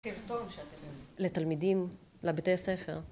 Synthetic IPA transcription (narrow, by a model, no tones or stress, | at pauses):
ilt̪onʃeat̪emolet̪almidim | lebet̪ejase̞fe̞̰ʁ